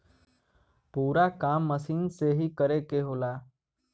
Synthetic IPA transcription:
puːɾakaːmːəsiːnseɦikəɾekeɦoːlaː

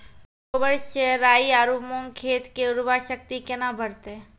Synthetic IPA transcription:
obəɾseɾaːiaːɾuːmõŋkʰeːt̪keʊɾʋaʃək̚t̪ikenabʱəɾt̪e

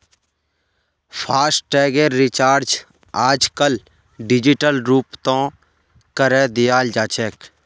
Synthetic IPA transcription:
pʰaːsʈʈɛːɡeɾːɪt͡ʃaːɾd͡ʒ | aːd͡ʒkəl | ɖɪd͡ʒɪʈəlɾuːpt̪õː | kəɾeːd̪ɪjaːld͡ʒaːt͡ʃɛːk

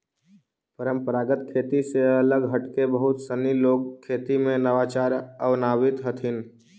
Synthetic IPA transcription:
pəɾə̃mpəɾaːɡət̪kʰeːt̪iseɐləɡɦɐʈkebəɦʊt̪səniloːɡ̚kʰːeːt̪imẽnəʋaːt͡ʃaːɾəʋnaːwɪt̪ɦət̪ʰɪn

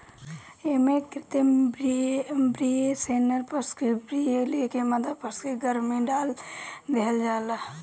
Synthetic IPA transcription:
emẽkɾɪt̪embibɾieseːnəɾpəskebɾielekeməd̪ʱəd̪pəskeɡəɾmẽɖaːld̪eɦəld͡ʒaːla

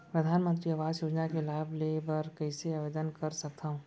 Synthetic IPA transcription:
pɾɐd̪ʱaːnmə̃nt̪ɾiaʋaːzjoːd͡ʒnakelaːblebɐɾkɐɪseaʋeːd̪ənkɐɾsɐk̚t̪aːɦũː

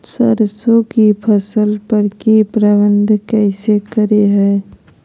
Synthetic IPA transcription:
sə̰ɾsokipʰəsəlpəɾkipɾəbənd̪ʱkɛːsekəɾeɦɛː

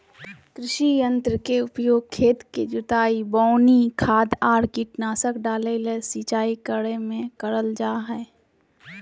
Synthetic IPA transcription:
kɾɪʃijə̃nt̪ɾəkeʊpjoːɡ̚kʰːeːt̪ked͡ʒʊt̪aːibɔːnikʰaːd̪aːɾkiʈnaːsəkɖaːlelesiːt͡ʃaːikəɽemẽkəɾəld͡ʒaːɦɛː

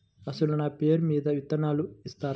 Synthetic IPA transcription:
ɐsɐlunaːpeːɾumiːd̪ɐʋit̪ːɐnaːluist̪aːɾ

